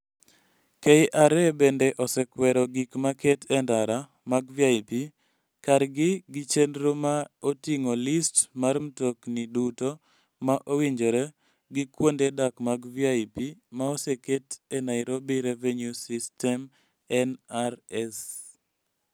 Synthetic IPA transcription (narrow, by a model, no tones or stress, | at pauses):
kejʔaɾɛbendeʔɔsɛkwɛɾɔɡikmaketɛndaɾa | maɡviaɪpi | kaɾɡɪɡɪt͡ʃendɾomaotiŋolistmaɾm̩tokniduto | maʔowiɲd͡ʒoɾe | ɡɪkwondedakmaɡviaɪpimaoseketenaɪɾobiɾevenjusistɛm | ɛnaɾɛs